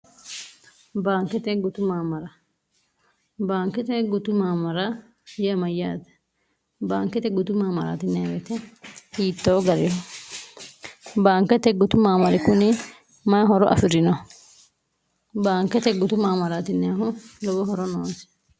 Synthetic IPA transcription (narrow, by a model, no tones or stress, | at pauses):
baːŋkːɛt̪ɛɡʊt̪ʊmaːmɐɾɐ | baːŋkɛt̪ɛɡʊt̪ʊmaːmɐɾɐ | jɛmɐjːaːt̪ɛ̥ | baːŋkɛt̪ɛɡʊt̪ʊmaːmɐɾa̰ːt̪ɪnːɪawɛt̪ɛhiːt̪ːoːɡɐɾɪjɔ | baːŋkːɛt̪ɛɡʊt̪ʊmaːmɐɾɪkʊnɪ | mɐɦɔɾɔʔɐ̰fɪɾɪnɔ | baːŋkːɛt̪ɛɡʊt̪ʊmaːmɐɾaːt̪ɪnːɪaːhʊlɔbɔɦɔɾɔnoːnsɪ̥